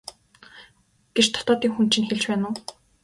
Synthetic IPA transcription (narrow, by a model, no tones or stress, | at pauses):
ɡ̥et͡ɕt̪ʰɔ̥t̪ɔːt̪iːŋxunt͡ɕĭnxeɮt͡ɕpæːnʊː